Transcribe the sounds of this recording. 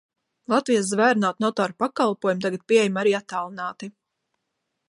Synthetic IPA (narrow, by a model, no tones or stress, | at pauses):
lˠat̪vijas̬zvæːɾnaːt̪nɔt̪ɔːɾpakalˠpuɔjumt̪aɡat̪̚pʲieɛjmaɾiːat̪ːaːlˠinaːt̪i